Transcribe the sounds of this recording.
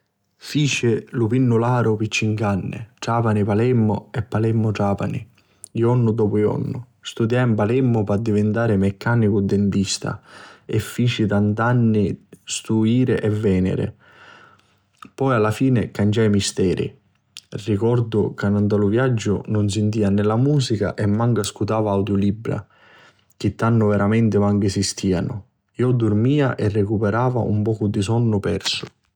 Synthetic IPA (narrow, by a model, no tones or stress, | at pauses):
fiːt͡ʃɪlupinːʊlaːɾʊpit͡ʃːiŋkanːɪ̰ʈaːpanipalɛmːʊ̰ɛpːalɛmːʊʈaːpa̰nḭ | iɔnːʊd̪ɔːpʊjɔ̰nːʊ | st̪ud̪jaimpalɛmːʊpad̪ːivɪnt̪aːɾɪmɛkʰːaːnikʊd̪ːɪnt̪ist̪a̰ɛfːiːt͡ʃit̪ant̪anːist̪uiːɾɪʔɛvːɛːnɪ̰ɾɪ̰ | pɔjalːafiːnɪkant͡ʃajmist̪ɛːɾḭ | rːikɔɾd̪ʊkanant̪alʊvjad͡ʒːʊ̰nʊns̬ɪnt̪iːanɪlamuːsika̰ʔɛmːaŋkaskut̪aːvaawd̪jʊlibɾa̰ | k̟ɪt̪ːanːʊvɛɾamɛnt̪ɪmaŋkɪsist̪ʰiːanʊ̰ | iɔd̪urmiːaʔɛrːekupɛɾaːva̰ʔṵmpɔːkʊd̪isɔnːʊpɛrsʊ̥